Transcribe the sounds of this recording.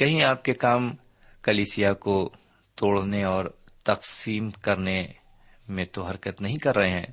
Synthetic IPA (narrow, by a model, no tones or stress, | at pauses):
kɐɦĩaːp̚kekaːm | kɐliːsijako | t̪oːɽneɔːɾ | t̪ɐqsiːmkɐɾne | mẽt̪oɦɐɾkət̪nɐɦĩkɐɾːɐɦeɦɛ̃ː